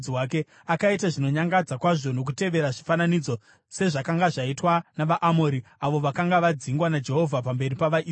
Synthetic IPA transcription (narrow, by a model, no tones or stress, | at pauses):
iwaːke̞ | akaitaʐino̞ɲaŋɡad͡zakwaʐono̞k̬ute̞ʋe̞ɾaʐifananid͡zo̞ | se̞ʐakaŋɡaʐaitwanaʋaʔamo̞ːɾiaʋo̞ʋakaŋɡaʋad͡ziŋɡwanad͡ʒe̞ɦo̞vʱapambe̞ripaʋaʔi